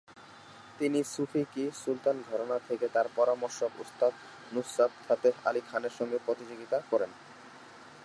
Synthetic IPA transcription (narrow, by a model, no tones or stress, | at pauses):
t̪inisufʰikisult̪anɡ̪ʱɔɾonat̪ʰeket̪aɾpɔɾamoɾʃobṵst̪ad̪ | nusat̪̚t̪ʰat̪ea̰likʰaneɾʃɔŋɡepɾot̪id͡ʑoɡit̪akɔɾen